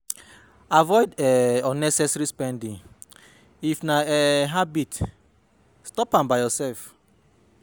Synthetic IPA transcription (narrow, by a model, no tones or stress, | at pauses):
avɔɪdɛɔnɛsɛsɾispɛ̃ndĩŋ | ifnaɛɦabit | stɔpãmbajjɔsɛlf